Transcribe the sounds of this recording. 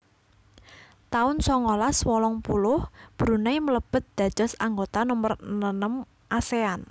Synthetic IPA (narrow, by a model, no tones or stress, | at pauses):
t̪aʊnsɔŋolaswɔlɔŋpulʊhb̥ɾunaimələb̥ə̤t̪̚d̪̥ä̤d̥d͡ʒ̥ɔsaŋɡot̪anɔmərnənəm | ʔasean